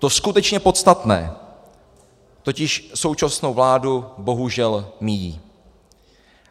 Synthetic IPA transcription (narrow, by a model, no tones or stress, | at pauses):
t̪o̞skut̪ɛt͡ʃɲɛpo̞t̪st̪at̪nɛ̰ː | t̪o̞cɪʃso̞wt͡ʃasno̞wvlaːdubo̞ɦuʒɛlmɪjiː